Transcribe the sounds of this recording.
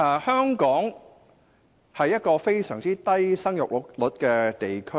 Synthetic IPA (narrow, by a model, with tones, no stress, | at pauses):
ɛ˨˧˩hœː˥ŋkɔː˨˥ŋ | hɐ˨jːɐ˥t̚kɔː˧fe˥jsœ̰ː˨˩ŋt͡siː˥t̪ɐ˥jsɐ˥ŋjʊ˨k̚llʊ˨˥t̚kɛː˧t̪e˨jkʰɵ˥